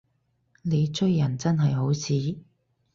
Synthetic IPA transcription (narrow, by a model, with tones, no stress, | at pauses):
ne˨˧jt͡ʃɵ˥jːɐ˨˩nt͡sɐ˥nɦɐ˨jɦo˨˥wt͡sʰiː˨˥